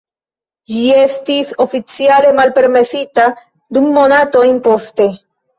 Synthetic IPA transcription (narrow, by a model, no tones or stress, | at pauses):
d͡ʒie̞stiso̞fit͡siale̞malpe̞ɾme̞sita | dumːo̞nato̞jnpo̞ste̞